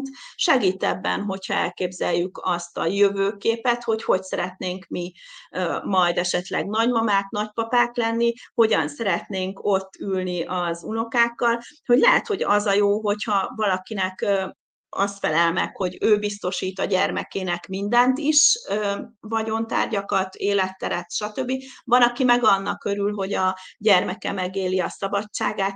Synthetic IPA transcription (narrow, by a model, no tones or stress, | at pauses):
t̪ʃɛɡiːt̪ɛbːɛ̰nɦo̞chɒɛ̰lkeːbzɛjːykɒst̪ɒjøvøːkeːpɛt̪ho̞cho̞csɛɾɛt̪neːŋkmi | mɒjd̪ɛʃɛt̪lɛ̰ɡnɒɟmɒmaːk̪nɒc̚pɒpaːklɛnːiho̞ɟɒnsɛɾɛt̪neːŋko̞t̪ːylniʔɒzuno̞kaːkːɒlho̞ɟlɛɦɛt̪ho̞ɟɒ̰zɒjoːɦo̞chɒvɒlɒkinɛkː | ɒ̰st̪fɛlɛlmɛ̰kho̞ɟøːbist̪o̞ʃiːt̪ɒɟɛrmɛkeːnɛkmind̪ɛnt̪iʃøvɒɟo̞nt̪a̰ːrɟɒkɒt̪eːlɛt̪ːɛɾɛt̪ʃɒt̪øbːivɒlɒkimɛɡɒnːɒkːø̞ɾylɦo̞ɟɒɟɛrmɛkɛmɛɡeːliɒsɒbɒt͡ʃt͡ʃːaːɡaːt̪